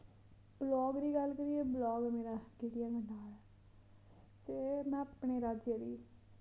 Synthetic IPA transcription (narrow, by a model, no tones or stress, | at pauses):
blɔːɡɾiːɡəlkəɾijeːblɔːɡmeːɾaːɡiʈɪjãːɡənaːl | semɛ̃ːapɳeːɾaːd͡ʒjaɾiː